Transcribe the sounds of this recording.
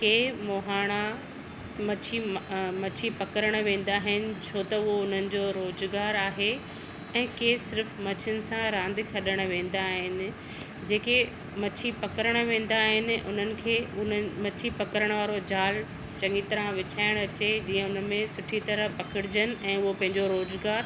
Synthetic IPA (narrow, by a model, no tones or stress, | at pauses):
keːmoːɦaːɽ̃a | mɐt͡ɕʰimɐt͡ɕʰipɐkəɾəɽ̃ʋẽːn̆d̪aːɦɪnɪ̆t͡ɕʰoːt̪ɐʊɦoʊn̤ənɪ̆d͡ʑoːɾoːzɡaːɾaːɦe | ɛ̃ːkeːsɪɾfmɐt͡ɕʰʊnɪ̆sãɾãːnd̪ɪxʰɐɗəɽ̃̆ʋẽːn̆d̪aːɦɪnɪ̆ | d͡ʑeːke | mɐt͡ɕʰipɐkəɾəɽ̃ʋẽːn̆d̪aːɦɪnɪ̆ʔʊ̰n̤ənɪ̆kʰeːʊnmɐt͡ɕʰipɐkəɾəɽ̃ʋaːɾod͡ʑaːl | t͡ɕɐ̃ŋit̪ɐɾãʋɪt͡ɕʰaːɪɽ̃ɐt͡ɕed͡ʑiːə̃ʊnəmẽsʊʈʰit̪ɐɾəpɐkʰɪɽɪd͡ʑənɪ̆ɛ̃ːʊɦopɐ̃ɦɪ̃ɲd͡ʑoɾoːzɡaːɾ